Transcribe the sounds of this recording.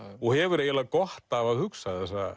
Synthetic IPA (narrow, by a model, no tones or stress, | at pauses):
ɔɣhɛvʏɾejɪlakɔht̪avaðhʏksaθθɛsa